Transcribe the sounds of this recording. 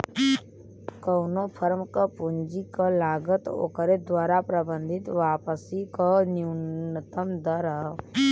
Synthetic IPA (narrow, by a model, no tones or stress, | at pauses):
kəwnopʰəɾmkəpund͡ʒikəlaːɡət̪o̰ːkəɾed̪waːɾapɾəbə̃nd̪ʱɪt̪ʋaːpəsikoniʊnət̪əmd̪əɾə